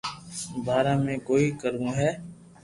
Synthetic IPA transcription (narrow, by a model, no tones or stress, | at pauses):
bʱaːɾãːmẽːkoːiːkəɾʋũːɦɛː